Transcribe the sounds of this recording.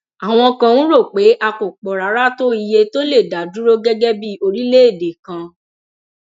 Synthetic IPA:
a˨w̃ɔ̃˧kã˧ũ˦ɾo˦˨k͡pe˨˦ʔa˧ko˨k͡pɔ˨ɾa˨˦ɾa˦to˦i˧je˧to˦le˦˨da˨˦du˦ɾo˦ɡɛ˦ɡɛ˦bi˦o˧ɾi˦le˦e˦˨de˨kã˧

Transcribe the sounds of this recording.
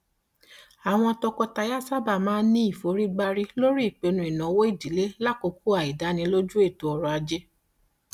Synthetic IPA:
a˨w̃ɔ̃˧tɔ˧kɔ˧ta˧ja˦˨sa˦ba˦˨mãː˦nĩ˦i˦˨fo˨˦ɾi˦ɡ͡ba˧ɾi˦lo˦ɾi˦i˦˨k͡pe˨˧nũ˧˨i˨nã˨˦wo˦i˦˨di˨˦le˦la˦˨ko˧ku˦a˨i˨da˨˦nĩ˧lo˦d͡ʒu˦e˦˨to˧ɔ˧ɾɔ˧a˧d͡ʒe˦

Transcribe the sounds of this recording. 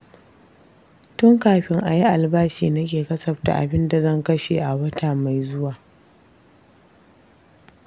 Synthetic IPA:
tʊ˦ŋkaː˨ɸɪ˦ŋʔa˨ji˦ʔa˨lbaː˦ʃiː˨nɐ˦k̬ʲeː˨kɐ˦sɐ˨ɸta̰˨ʔa̰˨bɪ˦nda˨zɐ˦˨ŋkɐ˦ʃeː˨ʔa˨wɐ˦tʰaː˨ma˨jzʊ˦waː˨

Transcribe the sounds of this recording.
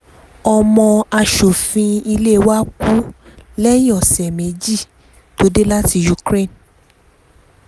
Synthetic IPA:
ɔ˧mɔ̃˧a˧ʃo˨fĩ˧i˧le˦˧wa˦ku˦lɛ˦jĩ˦ɔ˨sɛ˨mẽ˨˦d͡ʒi˦˨ | to˨˦de˦la˦ti˧ju˧˨kɾe˦˨n

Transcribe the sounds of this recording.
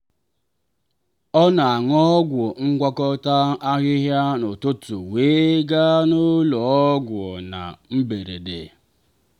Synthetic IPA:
ɔ˦na˨a˨ŋɔ˦ɡʷo˨ŋ̩˦ɡʷa˦kɔ˦ta˦a˦ɣɪ˦ɦja˦no˨tʊ˦tʊ˨we˨˦ɡa˦nʊ˦lɔ˨ɔ˦ɡʷɔ˨na̰˨m̩˦be˨ɾḛ˨dḛ˨

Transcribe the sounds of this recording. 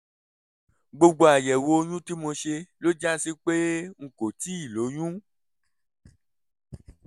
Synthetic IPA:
ɡ͡bo˧ɡ͡bo˧˦a˨jɛ˨wo˧ɲũ˦ti˦mo˧ʃe˧lo˦d͡ʒa˦si˦k͡pe˦ŋ̩˨ko˨ti˦i˨lo˨˦ɲũ˦

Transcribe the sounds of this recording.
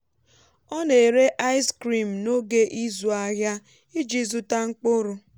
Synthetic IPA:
ɔ˦ne˨ɾe˦ʔa˦ɪ˦skɾi˨m̩˨no˦ɡe˦ʔi˦zu˨a˨ɦja˦ | ɪ˦d͡ʒi˦zʊ˦ta˦ŋ͡m̩˦k͡pʊ˦ɾʊ˨

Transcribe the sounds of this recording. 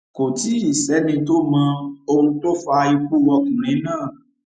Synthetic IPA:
ko˨ti˨˦i˦˨sɛ˨˦nĩ˧to˦mã˧o˧hũ˧to˦fa˧i˧k͡pu˦˨wɔ˧kũ˨ɾ̃ĩ˨˦nãː˦˨

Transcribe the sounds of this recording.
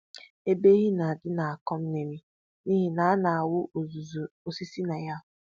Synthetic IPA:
e˦be˦ɣi˦na˨dɪ˦na˨a˨kɔ˦m̩˦ne˨mi˦ | ni˦ɦi˨na˨˦a˦na˨a˨wʊ˦˨zo˨si˦si˦na˨ja˦˨

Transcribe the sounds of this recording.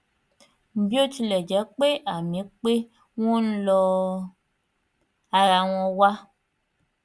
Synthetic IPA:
m̩˦˨bjo˦t͡ʃi˦lɛ˨d͡ʒɛ˨˦k͡pe˦ʔa˨mĩ˨˦k͡pe˦ | wũ˦n̩˦lɔ˦ | a˨ɾa˨wɔ̃˧wa˦

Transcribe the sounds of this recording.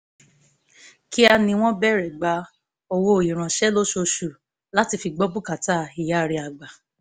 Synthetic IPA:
ki˦a˧nĩ˧w̃ɔ̃˦bɛ˦˨ɾɛ˨ɡ͡ba˨˧˦ | o˧wo˦˨i˨ɾ̃ã˨ʃɛ˦lo˦ʃo˧ʃu˨ | la˦ti˧fi˧ɡ͡bɔ˦bu˦ka˨ta˦i˨ja˨˦˨ɾi˧a˨ɡ͡ba˨

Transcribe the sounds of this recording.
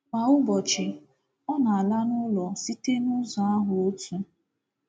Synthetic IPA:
ma˨ʊ˦bɔ˨t͡ʃɪ˨ | ɔ˦na˨a˨la˦nʊ˦lɔ˨si˦te˦nʊ˦zɔ˨a˦ɦʊ˨o˦tʰu˨

